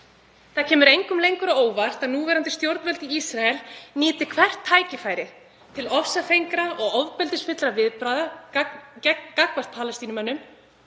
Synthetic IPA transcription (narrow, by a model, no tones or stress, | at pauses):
θaðcʰɛːmʏɾejŋkʏmlejŋkʏɾaoːwvar̥t̪aðnuːvɛːɾant̪ɪst̪jowɾt̪vɛlt̪iisɾaɛlnɪːt̪ɪkʰvɛr̥t̪ʰːaːjcɪfaːjɾɪ | t̪ʰɪlɔfsafejŋkɾaʔɔɣɔvpɛlt̪ɪsfɪt̪ɾavɪðpɾaːða | kakvar̥t̪̚pʰaːlɛst̪iːnʏmɛnːʏm